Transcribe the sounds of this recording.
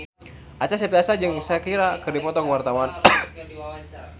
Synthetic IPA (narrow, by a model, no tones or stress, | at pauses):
ʔat͡ʃasapiasad͡ʒɨŋsajakiɾakɨrdipɔt̪ɔkəwart̪awan